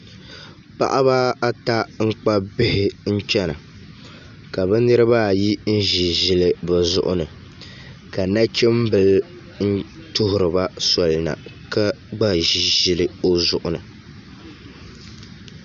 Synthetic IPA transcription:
pa̰˦ʔa˦βa˦a˦ta˦ŋ̩˦k͡pa˦bɪ˦hɪ˦n̩˦t͡ʃɛ˦na̰˨ | ka˨bɨ˦nɨ˦ɾɨ˦ba˦˨ji˦n̩˦ʒi˨ʒi˦lɨ˨bɛ˨zʊ˦ʔʊ̰˦nɨ˨ | ka˨na˦t͡ʃi˦m̩˦bɨ˨l | n̩˦ | tʊ˦ɦʊ˨ɾɨ˨ba˦sɔ˨lna̰˨ | ka˦ɡ͡ba˦ʒi˨ʒi˨lɨ˦o˦zʊ˨ʔʊ˨nɨ˨

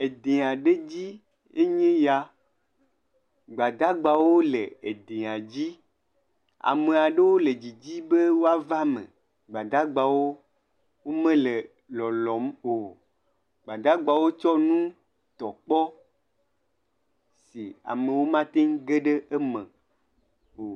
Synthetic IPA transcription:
e˨d̪e˨a˨ɖe˦d͡ʑi˦ | e˦ɲẽ˦ja˦ | ɡ͡ba˨d̪a˦ɡ͡ba˨wo˦lḛ˨e˨d̪ẽ˨a˨d͡ʑi˦ | a̰˨mẽ˨a˨ɖe˦wo˦le˨d͡ʑi˨d͡ʑi˦be˦wo˦a˦va˦mḛ̃˨ | ɡ͡ba˨d̪a˦ɡ͡ba˨wo˦ | wo˦mẽ˦le˨ | lɔ˨lɔ˨˦mo˨ | ɡ͡ba˨d̪a˦ɡ͡ba˨wo˦t͡ʃɔ˦nũ˦ | t̪ɔ˨k͡pɔ˦ | si˨a̰˨mẽ˨wo˦mã˦t̪e˦ŋ˦ɡe˦ɖe˦ʔe˦mẽ˨ | o˨

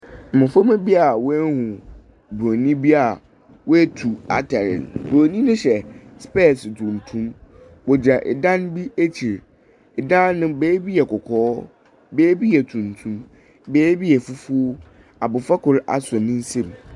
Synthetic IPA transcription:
m̩˨mã˨fo˦mɛ̃˦bi˦a˨wɔ˦hũ˨ | bo˨nĩ˦bi˦a˨ | wɔ˦æ˦tʰu˨a̰˨tʰɛ˨ɾɪ̰̃˨nbɾo˨nĩ˦nʊ̃˦ɕɛ˨spɛ˦˨stʰũ˨n˨tʰũ˦m | wɔ˨d͡ʑa˨ʔɪ̰˨dã˦nbi˦e˦t͡ɕʰi˨ɾ | ɪ˨dã˦nːʊ̃˦beː˦bi˦jɛ˨kʰɔ˨kʰɔː˦ | beː˦bi˦jɛ˨tʰũ˨n̩˨tʰũ˦m | beː˨˦bi˦jɛ˨fʊ˦fu˦o˦ | a˨bʊ˨fa˦kʰʊ˨ɾa̰˨sɔ˨nɪ̃˦n̩˦sẽ˦˨m

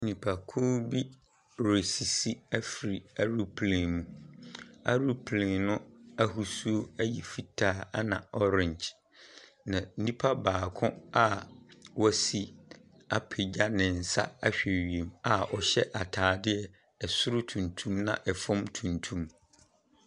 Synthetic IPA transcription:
nĩ˨pʰa˨kʰũ˦bi˦ | ɾe˨si˨si˦æ˦fi˨ɾi˨a˦ɾu˦pʰlẽ˨mũ˦ | a̰˦ɾu˦pʰlẽ˨nʊ̃˦æ˦ɦu˨su˦o˦æ˦ji˨fi˦tʰaː˦˨a˦nã̰˨ɔ˦ɾɪ̃˦˨ɲd͡ʑ | nã˨n̩˦nĩ˦pʰa˦baː˨kʰʊ̃˦a˨wɔ˦si˦ | a˨pʰe˨d͡ʑa˦nɪ̃˨n̩˨sa̰˦a˦ɕᶣɛ˨ɥi˨ẽ˨ma˨ɔ˨ɕɛ˦ʔa˨tʰaː˨dɪ˦ɛ˨ | ɛ˨sʊ˦ɾʊ˦tʰũ˨ntʰũ˦mnã̰˨ʔɛ˨fɔ̃˦mtʰũ˨ntʰũ˦m

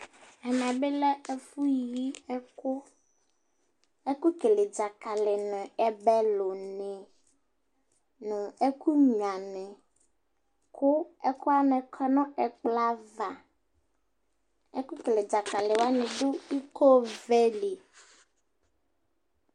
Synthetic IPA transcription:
ɛ˨nã˨be˦lɛ˦e˦fu˦ji˦ɛ˦kʊ˦ | e˦ku˦ke˨le˨d͡ʒa˨ka˨lɪ˨nʊ̃˨ɛ˨bɛ˦lo˨nɛ̃˨ | nʊ̃˨e˦ku˦ɲ˨ã˨nɛ̃˨ | kʰʊ˦ɛ˦kʊ˦a˦nɛ̃˨kʰɔ˦nɔ̃˦ɛ˨k͡pla˦va˨ | e˦ku˦ke˨le˨d͡ʒa˨ka˨lɪ˨wa˦nɛ̃˨ɖʊ˦i˦ko˦vɛ˦li˨

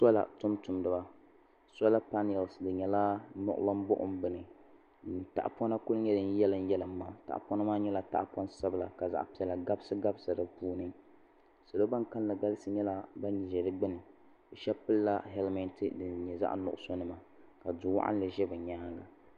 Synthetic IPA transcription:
sɔ˦la̰˨tʊ˦mtʊ˨mdɨ˨ba˦ | sɔ˦la˦pa˦nɛ˨lsdɨ˨ɲɛ˨la˦nʊ̰˦ʔʊ̰˦ba˦m˦bʊ˦ʔʊ̰˦m˦bɨ˨nɨ˨ | ta̰˦˨ʔpɔ˦na˦kʊ˦lɲɛ˦dɨ˨n˦jɛ˦lɨ˦n˦jɛ˦lɨ˨mː˦aː˨ta̰˨ʔpɔ˦nɨ˦maː˦ɲɛ˦la˨ta̰˦ʔpɔ˦nsa˦bɨ˨la˨ka˨za̰˨ʔpi˨ɛ˨la˨ɡa˦bsɨ˦ɡa˦bsa˨dɨ˨puː˦nɨ˦ | so˨lo˦ba˦nka˦n˦la˨ɡa˦lɨ˦sɨ˨˦ɲɛ˦la˦ba˦n˨ʒɛ˨dɨ˦ɡ͡bɨ˦nɨ˨ | ɨ˨ʃɛ˦pɨ˦lːa˦hɛ˦lmɛ˨ntɨ˨dɨ˨ɲɛ˨za̰˦ʔnʊ̰˨ʔʊ̰˦˨so˦nɨ˦ma˨ | ka˨dʊ˨wa̰˦ʔa̰˦n˦lɨ˨ʒɛ˦bɨ˨ɲaː˦ɡa˨

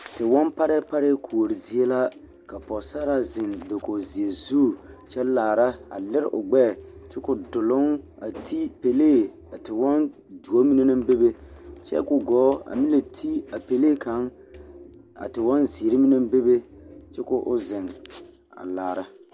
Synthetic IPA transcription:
tɪ˨wɔ˦npa˦ɾɪ˦pa˦ɾɪ˦kʰu˨o˨ɾi˨zi˨e˦la˦ | ka˨pɔ˨sa˦ɾa˦zɪ˨ndɪ˨ko˨zi˨e˨zu˦˨t͡ʃɛ˦laː˨ɾa˦a̰˨lɪ˦ɾʔʊ˨ɡ͡bɛ˦˨t͡ʃɪ˦kʊ˨dʊ˨lʊ˦ŋa̰˨tʰi˦pe˨leː˦˨ | a˨tɪ˨wɔ˦n | du˨o˦mi˦ne˦nɪ˦m˦be˦be˦t͡ʃɛ̰˦kʊ˨ɡɔː˨˦a̰˨mi˦le˨tʰi˦a˨pe˨leː˦kʰa˨˦ŋ | a̰˨tɪ˨wɔ˦nzi˨ɾɪ˦mi˦nɪ˦m˦be˦be˦t͡ʃɪ˦kʊ˦ʔʊ˦zɪ˨ŋ | a̰˨laː˨ɾa˦

